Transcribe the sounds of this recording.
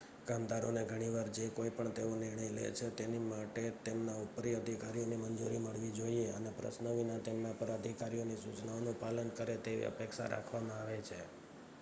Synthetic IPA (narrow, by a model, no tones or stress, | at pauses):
ɡ̥amd̪aɾoneɡʱəɽ̃iʋaɾd͡ʒekoipəɳt̪eonɪɾɳ̃əjlḛt͡ʃʰet̪enimaʈet̪emnaupɾiəd̪ʱikaɾijonimənd͡ʒuɾiməɭʋid͡ʒoieənepɾə̰snəʋinat̪emnapəɾəd̪ʱikaɾijonisut͡ʃnaonũpalənkəɾet̪eʋḭə̰pekʃa̰ɾa̰kʰʋamãaʋet͡ʃʰe